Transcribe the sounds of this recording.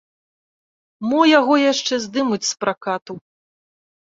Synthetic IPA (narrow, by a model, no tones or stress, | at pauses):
mɔjaɣɔjaʂt͡ʂɛzd̪ɨmut͡sʲspɾʔakat̪u